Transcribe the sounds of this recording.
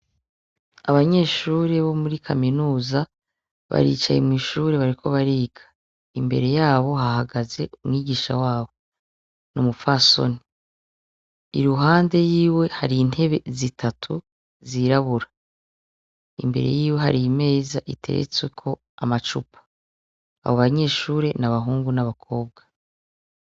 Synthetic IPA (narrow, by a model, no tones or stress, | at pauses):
a̰βaɲe̞ːʃuːɾeβo̞muɾikʰaminuːza | βa̰ɾḭt͡ʃajemŋiːʃuːɾe̞βaɾikʰoβaɾiːɡḁ | imbe̞̰ɾe̞jaːβo̞ɦahaɡaze̞̰umŋiːɡiːʃa̰waːβo̞ | numufaso̞̰ni | iɾuɦaːnde̞jiːwe̞haɾin̥he̞βe̞zitʰatʰu | ziɾaβuɾa | ḭmbe̞ɾe̞̰jiːwe̞ɦaɾime̞ːzaʔitʰe̞̰ɾḛt͡swe̞kʰo̞ | amat͡ʃupʰḁ | a̰βoβaɲe̞ːʃuːɾe̞naβaɦuːŋɡunaβakʰo̞ːb̚ɡa